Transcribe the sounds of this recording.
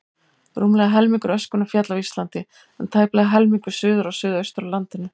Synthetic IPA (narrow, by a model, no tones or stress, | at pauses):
ɾuːmlɛɣaɦɛlmiŋkʏɾœskʏnafjat̪lavist̪lant̪ɪ | ɛnt̪ʰaːjplɛɣaɦɛlmiŋkʏ̥sʏːðʏɾasʏːðœɥst̪ʏɾawlant̪ɪnːʏ